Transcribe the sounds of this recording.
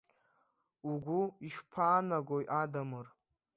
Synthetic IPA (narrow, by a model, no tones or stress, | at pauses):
uɡʷuiʃpʰaːnaɡʷojʔadamɨr